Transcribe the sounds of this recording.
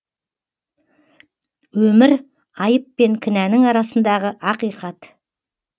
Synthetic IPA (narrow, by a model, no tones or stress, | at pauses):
wɵmɪɾ | ɑjəpːe̞ŋkʲʰɪnænɪŋɑɾɑsənd̪ɑʁəʔɑqijqɑt̪